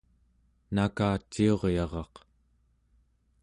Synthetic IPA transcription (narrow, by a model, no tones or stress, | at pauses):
nakaːt͡ʃːio̞ʁjɑʁɑq